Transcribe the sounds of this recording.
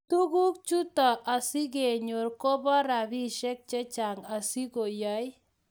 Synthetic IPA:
t̪u˦ɡu˦k̚t͡ʃu˦t̪a˨ʔa˨si˦ɡe˨ɲo˨ɾkɔ˦bɔ˦ɾa˨bi˦ʃɛ˦k̚t͡ʃɛ˦t͡ʃa˨ŋa˨si˦ko˨ja˦j

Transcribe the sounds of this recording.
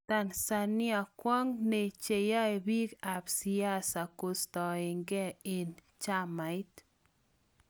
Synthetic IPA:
t̪a˦nsa˧nɪ˦a˨kwa˦ŋne˨t͡ʃe˨ja˦e˨bi˦ka˨bsija˦sa˨ko˦st̪ɔ˨ɪ˨ŋɡɛ˦e˨n | t͡ʃa˦ma˨jt̪

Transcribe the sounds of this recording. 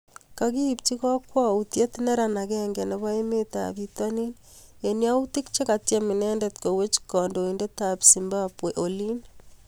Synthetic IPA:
kaɣi˦p̚ti˦ɣa˦kwa˦utje˦ti˦ne˦ɾa˨na˨ɣɛŋɡe˨ne˨βa˦e˦meta̰˨βitwa˦ni˦ne˨nja˦u˦ti˦kt͡ʃe˦ka˨tja˦mi˨nɛ˦ndɛtko˨we˦t͡ʃi̥kɔ˨ndo˨inde˦tapsimbapwe˨ʔoli˦n

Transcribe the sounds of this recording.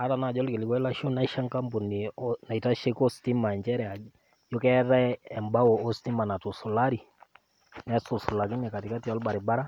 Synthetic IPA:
a˦ta˨na˨d͡ʒɔ˦lkɪ˨lɪ˦kɔ˦i˦la˦ʃo˦na˦i˦ʃa˦ŋka˦mbu˨ni˨na˨i˨ta˦ʃe˦kɔ˦sti˦ma˨ɲd͡ʒɛ˦ɾɛ˨a˨ | jo˦kɛ˦ɾɛ˦ɛ˨mba˦ɔ˨ɔ˦sti˦ma˨na˨tu˨sɔ˨la˦ɾi˨ | nɛsu˨sɔ˨la˨k̬i˦nɛ˨ka˨ti˨ka˦tija˦lba˨ɾi˨ba˦ɾa˦

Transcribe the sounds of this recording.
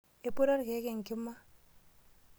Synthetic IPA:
e˨po˦ɾa˦ɾke˨˦ke˨ŋ˨kɪ˦mːa˦

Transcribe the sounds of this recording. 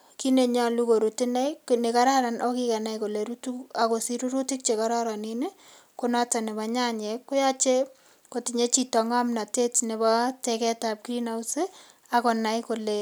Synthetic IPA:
ki˦ne˨ɲa˦lu˦ko˨ɾutinɛ˦jne˨kaɾa˦ɾanʔɔkikɛ˨na˦jko˨le˨ɾutua˨ko˨si˦ɾu˦ɾu˦ti˦k̚t͡ʃe˨kaɾɔ˦ɾa˨nine˦ | ko˦nɔta˨ne˨ba˨ɲa˦ɲekːʊ˦ja˦t͡ʃe˦ | koti˨ɲe˦t͡ʃi˦tɔ˨ŋa˦mna˨te˦tne˨bɔtekɛ˦tap̚kɾinawse | ako˨na˨jkole

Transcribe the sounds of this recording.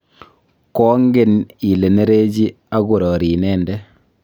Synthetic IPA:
kɔ˦ŋɡe˦ni˨le˨ne˦ɾe˦d͡ʒi˦ | a˦ɡu˨ɾɔ˨ɾi˨nɛː˦ndɛ˦

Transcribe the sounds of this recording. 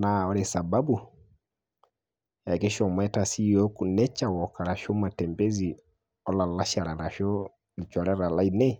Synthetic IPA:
naɔ˦ɾɛsa˨babu | ja˨kɛ˦ʃɔ˨mwɛtasijɔku˨nɛ˦t͡ʃawɔkaɾa˨ʃɔ˦ma˨tɛmbɛzi | ɔ˦la˨la˦ʃa˨ɾa˨ɾa˨ʃɔ˦ | lit͡ʃɔ˨ɾɛ˦ɾa˨la˦inɛ

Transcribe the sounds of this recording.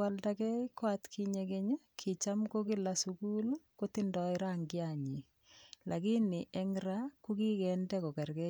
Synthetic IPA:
wa˨ldakɛ˦kwa˦tkʰi˦ɲe˨ke˦ɲ˦kʰi˨t͡ʃa˦mko˦ki˦la˨suku˦lko˦ti˦ndɔɪɾa˦ŋɡɪ˦aɲi˨ | lʔa˨ki˦ni˨ʔɛ˦ŋɾaku˦ki˦kɛndɛ˦ko˨ka˨rkɛ˦

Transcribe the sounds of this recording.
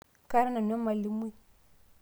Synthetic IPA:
ka˦ɾa˦na˨n˦a˦ma˨li˦m˦i˦˨

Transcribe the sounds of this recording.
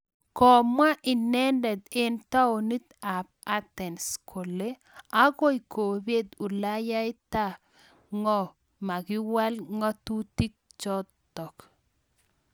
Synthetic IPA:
kɔ˨ma˦ʔɪ˨nɛ˦ndɛ˨d̪e˦nt̪a˦o˨ni˦t̪a˨p̚a˦t̪ɛ˨nskʰo˨le˦ | a˦ɡɔ˦i˨kʰo˨bje˦d̪u˨la˦ja˦jt̪a˦ | ŋɔ˦˨ | ma˨ɡɪ˦wa˦lŋɔ˦t̪u˦ti˦k̚t͡ʃɔ˦t | tːɔ˨k

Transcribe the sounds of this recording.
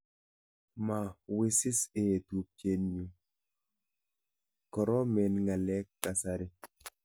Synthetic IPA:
ma˨wɪ˦sɪ˦se˨tu˨p̚t͡ʃe˨nɲu˨ | kɔ˨ɾɔ˦mɛ˨nŋa˨lɛ˦kːa˨sa˨ɾɪ˦

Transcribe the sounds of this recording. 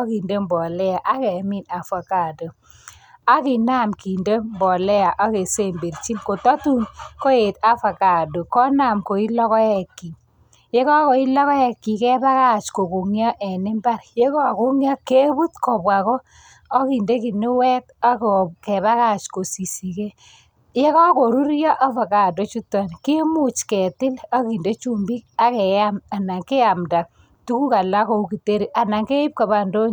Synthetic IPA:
ɔ˦ki˨nde˦mbɔ˨lɛ˦a˨ʔa˦kɛ˨mi˦na˨fa˨ka˨do˨ | a˦kɪ˨na˦˨mki˨nde˦mbɔ˨lɛ˦a˨ʔa˦ke˨se˦˨mbe˨ɾt͡ʃi˦mko˨tɔ˦tu˦nko˦je˨t̪a˦fa˨ka˨do˨kɔ˦na˨mko˨i˦lɔ˦kɔ˦ɛ˨kːi˨ | je˦kɔ˦ko˨i˦lɔ˦kɔ˦ɛ˦kːi˨kɛ˦ba˦ka˦˨t͡ʃko˨ko˨ŋjɔ˦ʔɛ˨nɛ˦mba˦ɾje˦kɔ˦a˨ko˦ŋjɔ˦ke˦bu˦tkɔ˨pwa˨kɔː˦ | ki˨nde˦kɪ˨nɪ˦wɛ˦ta˦kɔ˨kɛ˨βa˦ka˦˨t͡ʃko˨si˨si˨ke˦ | je˦kɔ˦ko˨ɾu˦ɾjɔ˦ʔa˦va˨ka˨to˦t͡ʃu˦ta˨nke˦mu˦t͡ʃkɛ˨tɪ˦la˦ki˨nde˦t͡ʃu˦mbi˦k̚a˦kɛ˨ja˦ma˨na˨ŋke˦a˨mda˨ | tu˦ku˦ka˨la˦ko˨u˦ki˨te˦ɾi˨ʔa˨na˨ŋke˦i˦p̚ka˨ba˨ndo˦ɲ

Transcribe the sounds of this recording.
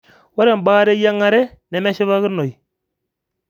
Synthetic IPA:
wa˦ɾɛ˨m˨baː˦ɾe˦ja˦ŋa˦ɾɛ˦nɛ˨mɛ˦ʃɪ˦βa˦ɣɨ˦no˨i˨

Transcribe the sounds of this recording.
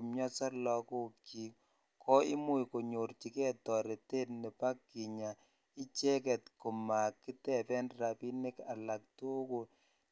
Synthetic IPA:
mjɔ˦sɔ˦lɔ˨ko˦ki˨ | kʰɔ˦i˦mu˦jko˨ɲo˨ɾt͡ʃi˨kɛ˦tɔ˨ɾe˨te˦tnɛ˨pa˦kːi˨ɲa˨ | i˦t͡ʃɛ˦kɛ˨tko˨ma˨kːi˦tɛ˦pɛ˦nra˨pi˦nɪ˦ka̰˨la˨k̚to˦ko˨

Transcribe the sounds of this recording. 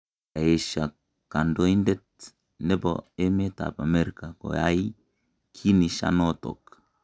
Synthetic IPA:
a˨e˨ʃa˨ | ka˨ndo˦i˦ndɛ˦t̚ | nɛ˦bo̰e˦me˦ta̰˨pa˨me˦ɾi˨ka˨ko̰˨ja̰˦i˦ | kʰi˦ni˨ʃa̰˦no˦to̰˨k

